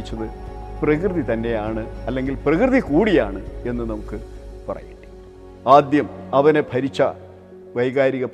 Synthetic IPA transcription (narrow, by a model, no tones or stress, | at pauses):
t͡ɕːɐðɨprɐkrɨðit̪ɐnːe̞jaːɳɨɐlːe̞ŋɡilprɐkrɨðikuːɽijaːɳɨe̞nːɨnɐmukːɨpɐrɐ̰jiʈːi̥ | aːd̪jɐmɐʋɐne̞bʱɐɾit͡ɕːɐ̰ | ʋɐjɣaːɾiɣɐp